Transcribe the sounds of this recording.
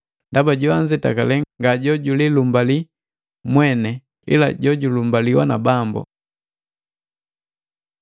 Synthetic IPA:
ndabaɟuaɲd͡ʒɛta̰kalɛŋɡaɟɔɟulilumbali | mwɛnɛ | ḭla̰ɟɔɟulumbaliwa̰na̰bambɔ̰

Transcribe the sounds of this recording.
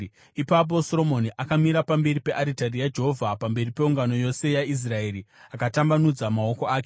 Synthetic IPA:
ipap̬o̞soɾo̞mo̞niʔakamiɾapambe̞ɾipe̞ʔaɾitarijad͡ʒe̞ɦovʱapambe̞ripe̞uŋɡano̞jo̞se̞jais̬rae̞ːɾiakatambanud͡zamao̞ko̞aːke

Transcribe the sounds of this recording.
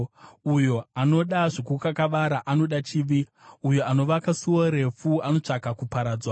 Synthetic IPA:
ujo̞ano̞ɗaʐikukakaʋaɾaʔano̞ɗat͡ʃiʋiujo̞ano̞ʋakasuwoɾe̞fuano̞t͡ʂakakupaɾaːd͡zwa

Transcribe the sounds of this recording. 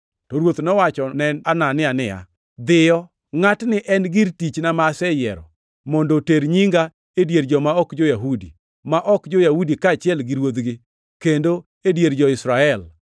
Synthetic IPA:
toɾwot̪nɔwat͡ʃɔnɛnananɪanɪa̰ | d̪ɪjɔ | ŋatnɪʔɛnɡɪɾtit͡ʃnamasɛjɛɾɔ̰ | mɔndoteɾɲiŋɡa | edjeɾd͡ʒɔmaɔkd͡ʒojaɦudi | maʔɔkd͡ʒojahudikaːt͡ʃɪɛlɡɪɾwod̪ɡɪ | kendo | edjeɾd͡ʒɔɪsɾaɛl

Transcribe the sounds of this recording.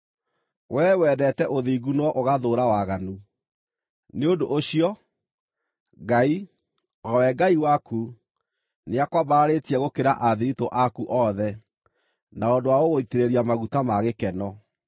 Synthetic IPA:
wʔɛwɛdɛtɛʔoðiːɡunwɔʔoɣaðoːɾawaɣanu | neondoʔoɕiɔ | ɡai | ɔwɛɡaiwaku | neakwabaɾetiɛɣokeɾaʔaðiɾitoʔakuʔɔðɛ | naondowaoɣoiteɾeɾiamaɣutamaɣekɛnɔ

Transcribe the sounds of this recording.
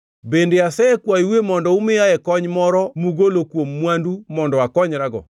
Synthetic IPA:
bendeasɛːkwaiwemɔndɔumɪjaɛkɔɲmɔɾɔmuɡolokwomːwandumɔndɔakɔɲɾaɡɔ̰

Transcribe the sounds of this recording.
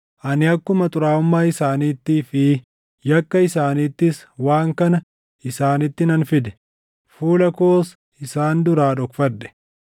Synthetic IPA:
ʔɐnɪɐkːʊmɐt̪ʼʊɾaːʊmːaːɪsaːniːt̪ːiːfɪ | jɐkːɐɪsaːniːt̪ːɪs | waːŋkɐnɐ | ɪsaːnɪt̪ːɪnɐnfɪd̪ɛ̥ | fuːlɐkoːs | ɪsaːnd̪ʊɾaːᶑɔkfɐd̪ːɛ̥

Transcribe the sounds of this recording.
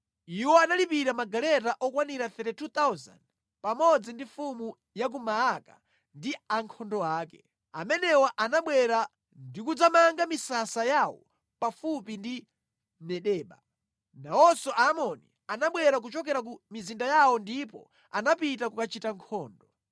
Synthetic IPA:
iwɔanalipiɾamaɡalɛtaʔɔkwaniɾaθɛɾɛtut̪awza̰nd | pamɔd͡zindifumu | jak̬umaːka | ndiaŋkʰɔndɔaːkɛ | amɛnɛwɔʔanaɓwɛɾa | ndik̬ud͡zamaŋɡamisasajawɔ̰ | pafupindi | mɛɗɛːɓa̰ | nawɔsɔʔamɔnḭ | anaɓwɛɾak̬ut͡ʃɔk̬ɛɾak̬umizindajawɔndipɔ̰ | anapitakukat͡ʃitaŋkʰɔːndɔ

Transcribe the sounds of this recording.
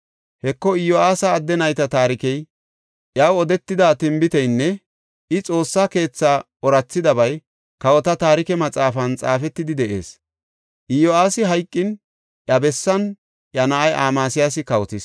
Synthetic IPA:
hɛkːɔɪjɔaːsɐːd̪ːɛnɐjt̪ɐt̪aːɾɪkɛj | ʔjɐwɔd̪ɛt̪ːɪd̪aːt̪ɪmbɪt̪ɛjnːɛ | ʔɪt͡sʼo̞ːsːaːke̞ːt͡sːaː | ɔɾɐt͡sːɪd̪ɐbɐj | kɐwɔt̪ɐt̪aːɾɪkɛmɐt͡sʼaːfɐnt͡sʼaːfɛt̪ːɪd̪ɪd̪ɛʔe̞̰ːs | ʔɪjoaːsɪɦɐjkʼːɪn | ʔjɐbɛsːɐn | ʔjɐnɐʔɐjʔaːmaːsɪjaːs̬ɪkɐwɔt̪ɪs

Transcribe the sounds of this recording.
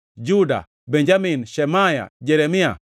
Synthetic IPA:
d͡ʒuda̰ | bɛɲd͡ʒaminʃɛmaja̰d͡ʒeɾemija̰

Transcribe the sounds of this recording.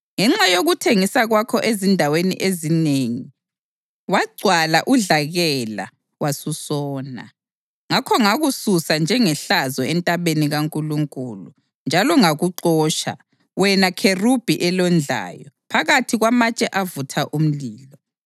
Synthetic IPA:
ŋɛŋ͡ǁajoɣutʰeŋisaɣwakʰɔʔezindʱawenḭʔezineŋi | waɡ͡ǀʱwalaʔuɮaɣɛla̰ | wasusɔːna̰ | ŋakʰɔŋaɣususand͡ʒʱɛŋɛɬazɔɛntʼaβeniɣaŋkʼuluŋkʼulu | nd͡ʒʱalɔŋaɣuǃɔːʃa̰ | wɛnakʰerub̥ʱiʔɛlɔnd͡ɮʱa̰ːjɔpʰaɣatʰiɣwamat͡ʃʼɛʔavutʰaʔum̩liːlɔ

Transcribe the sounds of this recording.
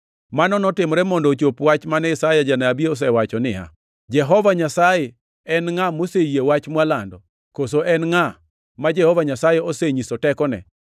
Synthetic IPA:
manɔnɔtɪmɾɛmɔndɔt͡ʃopwat͡ʃmanɛɪsajad͡ʒanaːbieɔs̬ɛwat͡ʃɔnɪ̰a̰ | d͡ʒɛɦɔvaɲasajɛ | ɛnŋamosejewat͡ʃmwalandɔ | kosoʔɛnŋa | mad͡ʒɛhɔvaɲasajɛoseɲisɔtɛkɔnɛ̰

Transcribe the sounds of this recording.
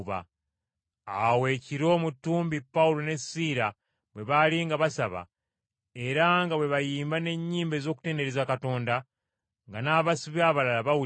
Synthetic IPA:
βa̰ | awe̞ːciɾo̞ːmutːuːmbipːawulo̞ne̞siːɾa | βwe̞βaliŋɡaβasaβa̰ | e̞ɾaŋɡaβwe̞βajiːmbane̞ɲːiːmbe̞zo̞ːku̥te̞ːnde̞ɾezakato̞ːnda | ŋɡanaːβasiβjaβalalaβawu

